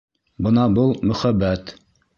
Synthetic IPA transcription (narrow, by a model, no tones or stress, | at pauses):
bɤnɑbɤlˠmɵ̆χæbːæt̪